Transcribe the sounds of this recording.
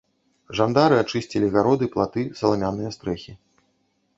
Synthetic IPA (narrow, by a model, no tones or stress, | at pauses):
ʐand̪aɾɨat͡ʂɨsʲt͡sʲilʲiɣaɾɔd̪ɨplˠat̪ɨsɐlˠamʲanːɨjɐst̪ɾɛxʲi